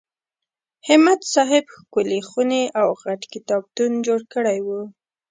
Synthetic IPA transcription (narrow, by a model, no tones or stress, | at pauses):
hɪmat̪sɑɦɪbxkʊlexuneʔawɣaʈkɪt̪ɑb̚t̪und͡ʒoɽkəɽajwu